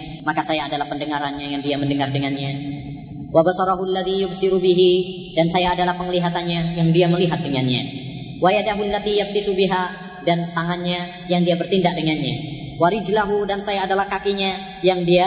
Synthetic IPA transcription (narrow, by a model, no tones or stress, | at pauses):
makasajaːdalahpəndəŋaɾanɲajaŋdiaməndəŋardəŋanɲa | wabasɑɾaɦualːaðijʊbsiɾubiɦi | dansajaːdalahpəŋəliɦat̪anɲajaŋdiaməliɦat̪̚dəŋanɲa̰ | wajadaɦulːat̪ijaf̚t̪isubiɦa | dant̪aŋanɲa | jaŋdiabərt̪indaʔ̚dəŋanɲa̰ | waɾid͡ʒlaɦudansajaːdalahkakiɲa | jaŋdia